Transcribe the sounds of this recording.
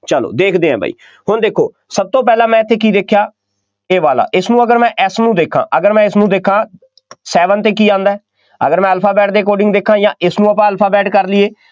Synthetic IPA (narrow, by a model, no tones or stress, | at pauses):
t͡ʃəlo̰ːd̪eːkʰd̪eːãːbʱa̰ːḭː | hʊnd̪eːkʰːoː | səb̚t̪oːp̬ɛːlãːmɛ̃ːɪt̪ʰːeːkiːd̪eːkʰjaː | eːʋaːla̰ːʔɪsnũːəɡəɾmɛ̃ːʔɛsnũːd̪eːkʰã̰ːʔəɡəɾmɛ̃ːɪsnũːd̪eːkʰːãː | sɛːʋənt̪eːkiːãːnd̪aːɛː | ə̰ɡəɾmɛ̃ːəlpʰaːbɛːʈ̚d̪eːkoːɖɪ̃ŋɡd̪eːkʰːãːjãːʔɪsnũːəpãːəlpʰaːbɛːʈkəɾlɪeː